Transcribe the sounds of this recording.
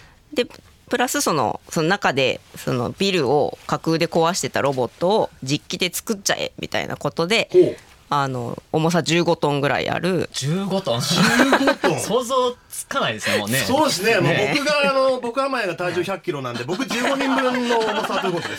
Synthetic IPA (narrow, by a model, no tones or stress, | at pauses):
d̪e̞ | pɯ̟ɾasɨso̞no̞̰so̞nonakad̪e̞̰so̞̰no̰bʲiɾɯ̟o̰kakɯːd̪e̞ko̞βaɕi̥t̪e̞t̪aɾo̞bo̞t̪ːo̞ːd͡ʑikʲːid̪e̞t͡sɨ̥kɯ̟t͡ɕt͡ɕːa̰ʔe̞̰mʲʔʲḭt̪a̰ḭna̰ko̞t̪o̞d̪e̞o | ano̞̰ːmo̞s̬ad͡ʑɨːɡo̞t̪õ̞ŋɡɯ̟ɾa̰ḭa̰ɾɯ̟d͡ʑɨːɡot̪õd͡ʑɡt̪õsoːzoːt͡sɨ̥kanaid̪esonːesoːd̪es̬ɨneanobokɯ̟ɡaːno̞bo̞kɯ̟amajaɡat̪aiʑoːçʲakɯkʲːiɾo̞nãnd̪e̞bo̞kɯ̟d͡ʑɨːɡɡo̞ɲ̟ĩmbɯ̟̃nːomosat̪oiɯ̟kot̪od̪es